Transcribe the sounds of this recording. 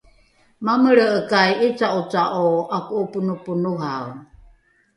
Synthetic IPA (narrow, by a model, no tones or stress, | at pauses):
maməɾəʔəkajit͡saut͡saʔoakuʔupunupunuɦaw